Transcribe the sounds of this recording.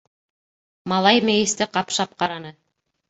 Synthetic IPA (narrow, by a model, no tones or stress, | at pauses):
mɑlˠɑjmæ̆jɘ̆st̪ɘqɑpʃɑp̚qɑɾɑnɤ